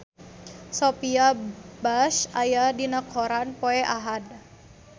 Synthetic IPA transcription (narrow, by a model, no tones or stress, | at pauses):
sopiabaʃajadinəkʰoɾanpoeʔaɦad